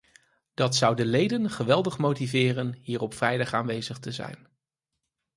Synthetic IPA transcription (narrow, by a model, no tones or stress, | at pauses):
d̥ɑtsʌwdəlejdənχəʋɛlˠdəχmowtivɪːrənɦiːrɔpfrɛjdɑχaːnʋejzəχtəzɛ̰jn